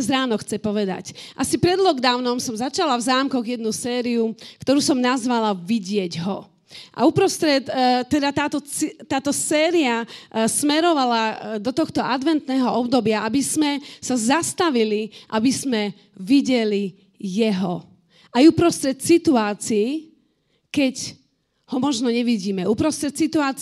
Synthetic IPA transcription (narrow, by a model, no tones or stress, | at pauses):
zɾaːnɔxt͡sɛpɔʋɛd̪a̰cʔasipɾɛd̪lɔɡd̪aːʊnɔmsɔmzat͡ʃalavzaːmkɔɣjɛd̪nusɛːɾiukt̪ɔɾuːsɔmnazʋalaʋiɟɪɛɟɦɔ | ʔa̰upɾɔst̪ɾɛt̪t̪ːɛd̪at̪aːt̪ɔit̪aːt̪ɔsɛːɾiasmɛɾɔʋalad̪ɔt̪ɔxt̪ɔʔad̪ʋɛnt̪nɛːɦɔɔbd̪ɔbɪaabizmɛsazast̪aʋiliʔabizmɛ | ʋiɟɛli | jɛɦɔ | ʔajupɾɔst̪ɾɛt̪sit̪uaːt͡siiː | kɛɟ | hɔmɔʒnɔɲɛʋiɟiːmɛupɾɔst̪ɾɛt̪sit̪uaː